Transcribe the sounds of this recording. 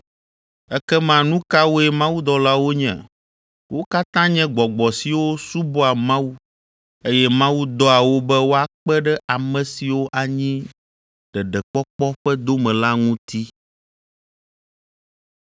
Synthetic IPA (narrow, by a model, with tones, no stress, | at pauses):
ɛ˦kɛ˦mã˨nũ˦ka˦wo˦ɛ˦mã˦wu˦d̪ɔ˨la˦wo˦ɲɛ̰̃˨ | wʔo˦ka˦t̪ã˦ɲɛ̃˦ɡ͡bɔ˨ɡ͡bɔ˨si˨wo˦su˦bɔ˦a˨mã˦wu˦ | e˦jɛ˦mã˦wu˦d̪ɔ˦a˨wo˦bɛ˦wo˦a˨k͡pɛ˦ɖɛ˦ʔa˨mɛ̃˨si˨wo˦ʔa˨ɲĩ˦ | ɖɛ˨ɖɛ˨k͡pɔ˦k͡pɔ˦ɸɛ˦d̪o˦mɛ̃˨la˦ŋũ˦t̪i˦